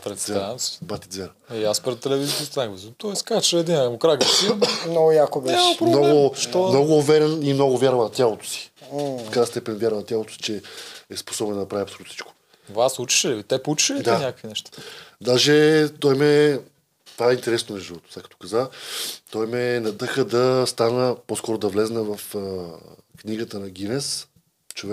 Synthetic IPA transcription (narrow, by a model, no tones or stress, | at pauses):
pɾɛɛansbat̪id̪zɛɾ | iaspɾɛt̪ːɛlɛvizit̪ist̪naɡvizt̪ɔɛskat͡ʃɛːd̪inmokɾaɡəsimnoɡʊjakobɛapɾonɔɡoʃt̪ɔnɔɡʊːvɛɾʲɛnimnoɡʊvʲjaɾvɐnɐt̪ʲjalˠot̪o̥si̥kɾajst̪ɛpɛnvʲjaɾvənɐt̪ʲjalot̪o̥si̥t͡ʃɛɛspo̥sɔbɛnd̪ɐɐpɾaviɐpsolut̪si̥t͡ʃko̥ | vaslˠut͡ʃi̥ʃt̪ɛplˠut͡ʃi̥ʃəlid̪aɲʲakəkvinɛʃt̪ḁd̪aʒɛt̪ɔjmɛ | t̪vaɛint̪ɛɾɛsnonɛʒivɔt̪o̥sakːət̪o̥kazat̪ɔjmɛnɐd̪əxəd̪ɐst̪anəposkɔɾod̪ɐvlɛznɛvɐf | kniɡət̪ənɐɡ̟inɛs | t͡ʃovɛ